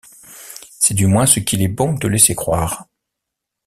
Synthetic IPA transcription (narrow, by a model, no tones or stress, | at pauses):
sɛd̪ymwɛ̃səkʲilɛbɔ̃t̪əlɛsekχwaːʁ